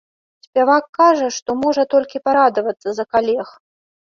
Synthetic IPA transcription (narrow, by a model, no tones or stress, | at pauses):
sʲpʲavakːaʐɐʂt̪ɔmɔʐɐt̪ɔlʲkʲipaɾad̪ɐvɐt̪sːɐzɐkalʲɛx